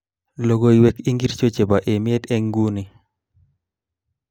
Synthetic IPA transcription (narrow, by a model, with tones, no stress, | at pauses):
lo˨ɡo˨i˨wɛ˨ki˦ŋɡi˦ɾt͡ʃo˦t͡ʃe˨ba˨ʔe˨mɪ˦ɛ˦tɛ˦ŋɡu˦ni˨